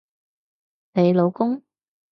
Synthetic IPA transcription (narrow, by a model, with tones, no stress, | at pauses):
ne˨˧jlo˨˧wkʊ˥ŋ